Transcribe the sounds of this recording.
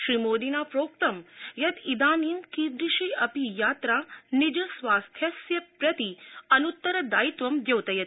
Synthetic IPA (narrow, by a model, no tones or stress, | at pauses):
ʃɾimoːd̪inaːpɾoːkt̪ɐmjɐt̪id̪aːniːmkid̪ɾiʃiɐpijaːt̪ɾaːnid͡ʒɐsʋaːst̪ʰjɐsjɐpɾɐt̪iɐnut̪ːɐɾɐd̪aːjit̪ʋɐmd̪jɐwt̪ɐjɐt̪